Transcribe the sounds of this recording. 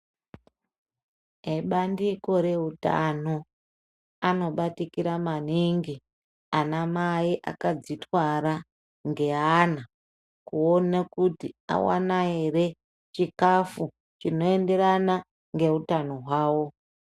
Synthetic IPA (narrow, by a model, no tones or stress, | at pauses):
ɦeɓandiko̞ɾe̞uta̰no | ano̞ɓatikiɾamaniŋɡi | anamaiʔa̰kad͡zitwaɾa | ŋɡe̞ana | kuonakutia̰wa̰nae̞re̞ | t͡ʃikafu | t͡ʃino̞e̞nde̞ɾana | ŋɡe̞utano̞ɦwaːwo̞